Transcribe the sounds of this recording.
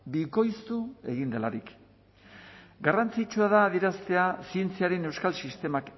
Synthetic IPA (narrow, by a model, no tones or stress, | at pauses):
biko̞jst̪ue̞̰ɣind̪e̞laɾik | ɡarant͡sit͡ʃuaðaːðie̞ɾast̪e̞asie̞nt͡siaɾe̞ne̞wskalsist̪e̞mak